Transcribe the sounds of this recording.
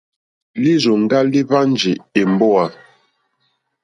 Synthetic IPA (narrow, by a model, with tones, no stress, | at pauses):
li˦zo˨ŋ˦ɡa˦li˦va˦n˦d͡ʒi˨e˨m˨bɔ˦a˨